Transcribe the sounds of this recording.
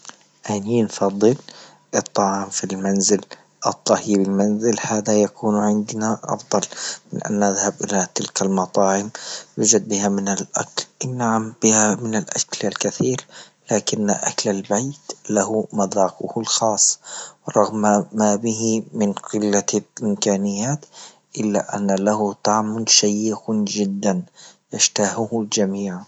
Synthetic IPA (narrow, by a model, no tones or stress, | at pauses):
ʔaninfɑðˤːɨl | ʔɨt̪ˤːɑʕɑːmfilmanzɪl | ʔɨt̪ˤːɑhiːbɪlmanzɪlhaːðajakʰuːnʕɪnd̪naʔɑ̰fd̪ˤɑlmɪnʔa̰nːʔaðhabʔɪlat̪ɪlkalmɑt̪ˤɑːʕɪmwʊd͡ʒad̪̚bɪhamɪnalʔa̰klnaʕamb̥ɪhamɪnɪlʔaʃkɪlalkaθiːɾ | laːkɪn̰ːʔa̰klalbajt̪lahʊmɑd̪ˤɑːqʊhlxɑːsˤːwɾˤɑɣmamaːbɪhimɪnqɪlːaʔɪmkaːnɪjːaːt̪ | ʔɪlːa̰ʔa̰nːalahʊt̪aʕmʊnʃajːɪxʊnd͡ʒɪd̪ːanjaʃt̪aːhʊhld͡ʒamiːʕ